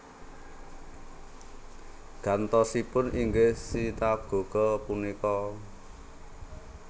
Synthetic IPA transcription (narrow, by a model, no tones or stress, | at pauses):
ɡ̥a̤nt̪ɔsipʊniŋɡehsit̪ap̚ɡ̥o̤ɡ̥ɔ̤punikɔ